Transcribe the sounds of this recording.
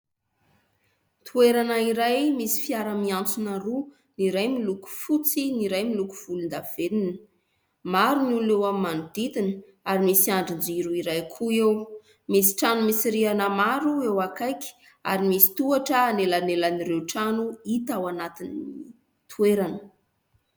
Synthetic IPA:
t̪ʰueɾanaiɾajmisi̥fiaɾəmiant͡sunaɾu | niɾajmiluku̥fut͡siniɾajmiluku̥v̥ulund̪av̥eninə̥ | maɾinulewammanud̪it̪inə | aɾimisiaɳɖ͡ʐind͡ziɾuiɾajkʰuew | misi̥ʈ͡ʂanumisiɾianamaɾuewakajkʲi̥ | a̰ɾimisi̥t̪uaʈ͡ʂəːnelanelanirewʈ͡ʂanuit̪awanat̪inːi | t̪ʰueɾanə

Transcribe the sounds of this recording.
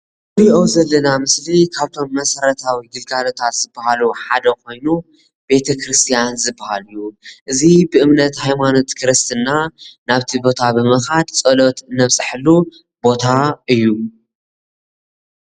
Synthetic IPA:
ɨɾiʔowzɐlːɐnamɨslikʰaβt̪ʰo̞mːɐsɐɾɐt̪ʰawiɡ̪ɨlɡalot̪ʰat̪z̥ɨbːahaluħad̪ɐkʰo̞jnu | be̞t̪ʰɐkɾɨst̪ʰijanzɨbːahalɨjːuʔɨzibɨʔɨmnɐt̪hajmano̞t̪kʰɨɾɨst̪ʰɨnːanaβt̪ʰibo̞t̪ʰabɨmɐxad̪t͡sʼɐlot̪ɨnːɐβsʼɨħɨlːu | bo̞t̪ʰaɨjːu

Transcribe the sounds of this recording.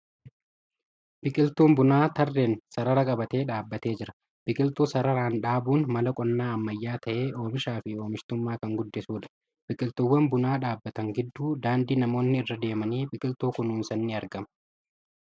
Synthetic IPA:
bɪkʼɪlt̪uːmbʊnaːt̪ɐrːeːnsɐɾɐɾɐkʼɐbɐt̪e̞ːᶑaːbːɐt̪e̞ːd͡ʒɪɾɐ | b̥ɪkʼɪlt̪uːsɐɾɐɾaːnᶑaːbuːnmɐlɐkʼɔnːaːɐmːɐjːaːt̪ɐʔeːʔo̞ːmɪʃaːfɪo̞ːmɪʃt̪ʊmːaːkɐŋɡʊd̪ːɛsuːᶑɐ̥ | b̥ɪkʼɪlt̪ʊwːɐnbʊnaːᶑaːbːɐt̪ɐŋɡɪd̪ːuːd̪aːnd̪iːnɐmo̞ːnːɪɪrːɐd̪e̞ːmɐniːbɪkʼɪlt̪uːkʊnuːnsɐnːɪɐɾɡɐmɐ̥

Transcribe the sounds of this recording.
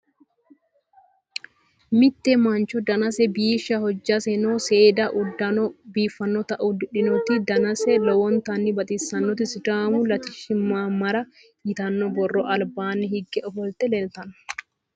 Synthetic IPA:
mɪt̪ːɛmaːnt͡ʃɔd̪ɐnɐsɛbiːʃɐhɔd͡ʒːɐsɛnoːseːd̪ɐʔʊd̪ːɐnɔbiːfːɐnːɔt̪ɐʔud̪ɪᶑɪnut̪ːɪd̪ɐnɐsɛlɔwɔnt̪ɐnːibɐt̪ʼiːsɐnːɔt̪ɪsɪd̪aːmʊlɐt̪ɪʃɪmːaːmɐɾɐ | jɪt̪ɐnːɔbɔrːɔʔɐlbaːnːɛhɪɡːɛʔɔfɔlt̪ɛlɛlt̪ɐn

